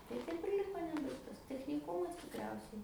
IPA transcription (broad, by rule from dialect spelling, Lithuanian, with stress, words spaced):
tɐɪ ˈtɐɪp ɪr ˈlʲɪkoː ˈnʲæːbɐɪktɐs tʲɛxʲnʲɪˈkʊmɐs tʲɪkˈrʲɛʊsʲɛɪ